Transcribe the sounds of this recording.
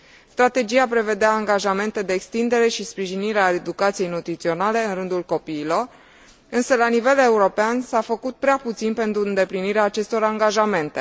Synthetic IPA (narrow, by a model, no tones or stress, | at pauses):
st̪ɾat̪e̞d͡ʒijapɾe̞ve̞d̪eaːŋɡaʒame̞nt̪e̞d̪e̞ːkst̪ind̪e̞ɾe̞ʃispɾiʒiniɾeaed̪ukat̪sijejnut̪ɾit̪sio̞nale̞ɨnrɨnd̪ulko̞piːlo̞r | ɨnsəlanive̞le̞uɾo̞peansafəkut̪̚pɾeaput̪sinpe̞nt̪ɾuɨnd̪e̞pliniɾeaːt͡ʃe̞st̪o̞ɾaŋɡaʒame̞nt̪e̞